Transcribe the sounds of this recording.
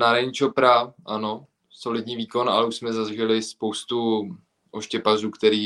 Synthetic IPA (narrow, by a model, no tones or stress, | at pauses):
naɾaɲɪt͡ʃopɾaʔano̞ | so̞lɪd̪ɲiːviːko̞na̰lɛuʃsmɛzazʒɛlɪspowst̪u | ʔo̞ʃcɛpazuːkt̪ɛɾiː